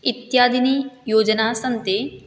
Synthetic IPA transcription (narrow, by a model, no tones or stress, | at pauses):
it̪jaːd̪ʱinijoːd͡ʒɐnaːsɐnt̪e